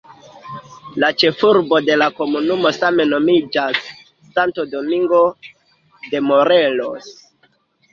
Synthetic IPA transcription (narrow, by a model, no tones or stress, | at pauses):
lat͡ʃe̞fuɾbo̞de̞lako̞munumo̞same̞no̞mid͡ʒasː | antodo̞miŋɡo̞ | de̞mo̞ɾelo̞s